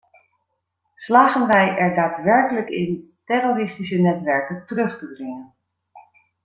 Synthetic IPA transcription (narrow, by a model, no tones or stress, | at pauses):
slaːχənʋɛjʔɛɹdaːtʋɛɹkələkɪ̰ntɛrorɪstisənɛtʋɛɹkəntərɵχtədrɪŋən